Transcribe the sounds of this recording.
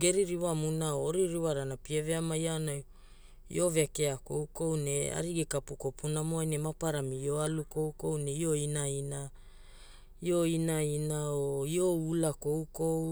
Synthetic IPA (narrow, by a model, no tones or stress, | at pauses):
ɡe̞ɾiɾiwamunaooɾiɾiwaɾanapieveamajanaj | ḭo̞vekeakowko̞wne̞a̰ɾiɡekapukopunamoajnemapaɾamijoalukowko̞wneio̞inaina | ioinainaoio̞ulakowkow